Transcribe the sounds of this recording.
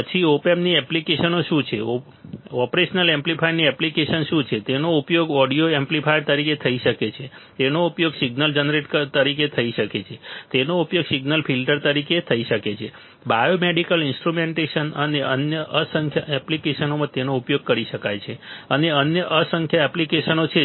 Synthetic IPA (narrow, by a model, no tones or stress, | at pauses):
pət͡ʃʰiopemniɛplikeʃənoʃũt͡ʃʰḛo | ɔpɾeʃnəlemplipajniɛplikeʃənʃũt͡ʃʰet̪enoupjoɡɔɽijoemplipʰajɾt̪əɾiket̪ʰəiʃəket͡ʃʰe | t̪enoupjoɡsiɡnəld͡ʒənɾeʈət̪əɾiket̪ʰəiʃəket͡ʃʰet̪enoupjoɡsiɡnəlfʰilʈəɾt̪əɾiket̪ʰəiʃəket͡ʃʰe | bajomeɖikəlɪnsʈɾumeɳʈeʃənəneʔənjəʔəsə̃ŋkʰjaʔɛplikeʃənomãt̪enoupjoɡ̚kəɾiʃəkajt͡ʃʰeəneənjəʔəsə̃ŋkʰjaɛplikeʃənot͡ʃʰe